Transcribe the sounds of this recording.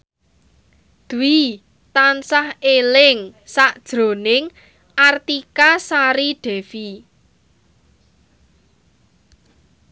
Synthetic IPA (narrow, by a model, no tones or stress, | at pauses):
d̪̥ui | t̪ansahelɪŋsaʔd̥ʒ̥ɾo̤nɪŋ | ʔart̪ikasaɾiɖ̥ɛ̤fi